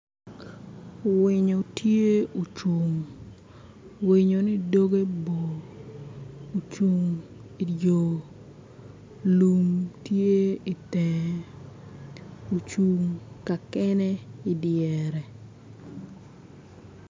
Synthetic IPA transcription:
wɪ˨ɲo˨tje˦u˨t͡ʃu˨ŋ | wɪ˨ɲo˨nɪ˦do˦ɡe˦bo˨ | t͡ʃu˨ŋi˨djo˨ | lu˨mtje˦i˨tɛ˨ | o˨t͡ʃu˨ŋka˨kɛ˦nɛ˦ɪ˨dɪjɛ˨ɾɛ˨

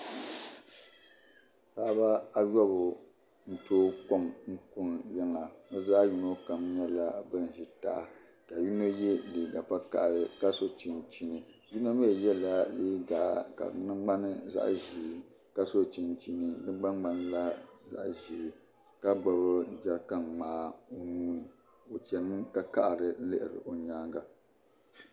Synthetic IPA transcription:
pa˦ʔba˦a˦jɔ˦bʊ˨ | n̩˦toː˦ko˦mŋ̩˦ku˦njɛ˦ŋa˨nɨ˦za˦ju˨no˦ka˨mɲɛ˦la˨bɨ˦n̩˨ʒi˨ta̰˨ʔa˨ | ka˨ju˦no˦jɛ˦li˨ɡa˨pa˦ka̰˨ʔɾɨ˨ka˦so˦t͡ʃi˨nt͡ʃi˨nɨ˨ | ju˦no˦mi˦˨jɛ˦la˨liː˦ɡa˨ka̰˨˦nɨ˦ɡ͡ba˦nɨ˦za̰˦ʔʒi˨˦˨ | ka˦so˦t͡ʃi˨nt͡ʃi˦nɨ˨nɨ˦ɡ͡ba˦n˦a˨nɨ˦la˦za̰˦ʔʒiː˨˦˨ | ka˦ɡ͡ba˨bɨ˦d͡ʒa˦ɾka˦nmaː˦o˨nuː˦nɨ˨ | o˨t͡ʃɛ˨nɨ˦ka˦ka˦ʔɾɨ˨˦lɨ˦ʔɪ˨ɾɨ̰˨ʔo˨ɲaː˦ŋɡa˨

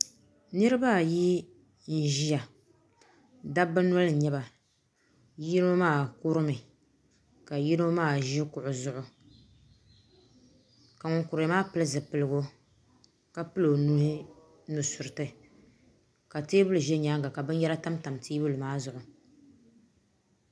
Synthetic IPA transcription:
nɨ˦ɾɨ˦ba˦˨ji˦ | n̩˨ʒi˦ja˨ | da˦bɨ˦nɔ˦lɨ˨ɲɛ˦ba˨ | ji˦no˦maː˦˨ku˦ɾɨ˦mɨ˨ | ka˨ji˦no˦maː˦˨ʒi˦kʊ˨ʔʊ˨zʊ˨ʔʊ˨ | ka˨ŋʊ˨ŋkʊ˨ɾmaː˦pɨ˦lɨ˦zɨ˨pɨ˨lɨ˨ɡo˦ | ka˨pɨ˦lo˨nu˦hɪ˦ | nu˨sʊ˨ɾɨ˨tɨ˨ | ka˨teː˦bʊ˦lɨ˨ʒɛ˦ɲaː˦ŋɡa˨ka˨bɨ˦n˦jɛ˦la˦ta˦mta˨mtiː˦bɨ˦lɨ˨maː˦zʊ˨ʔʊ˨

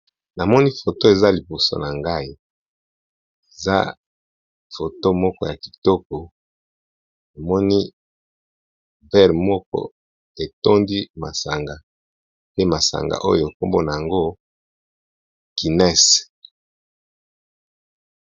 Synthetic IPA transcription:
na˨mɔ˦ni˦fo˨to˦e˨za˦li˨po˨so̰˦na˨ŋɡa˦i˦ | e˨za̰˦ | fo˨to˦mɔ˦kɔ˦ja˨ki̥˨tɔ˦k̚ɔ˨ | na˨mɔ˦ni˦ | vɛ˦ʁmɔ˦k̚ɔ̰˦ | e˨tɔ˦ndi˦ma˨sa˨ŋɡa˨ | pe˦ma˨sa̰˨ŋɡa̰˨ʔo̰˦jo˨e˨ko˦mbo˦na˨ja˨ŋɡo˦ | ki˨nɛ˦˨s

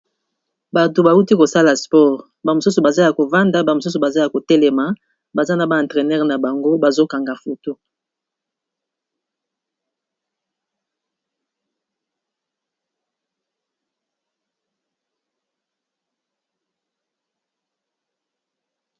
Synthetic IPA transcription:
ba˨to˨ba˨u˦ti˦ko˨sa˦la˨spɔ˦ʁ | ba˨mo˨su˦so˨ba˨za˦ja˨ko˨va˦nda˦ba˨mo˨s̬u˦so˨ba˨za˦ja˨ko˨tɛ˦lɛ˨ma˨ | ba˨za˦na˨ba˦ã˨tʁɛ˨nɛ˦ʁna˨ba˨ŋɡo˦ba˨zo˦ka˨ŋɡa˨fo˨to˦

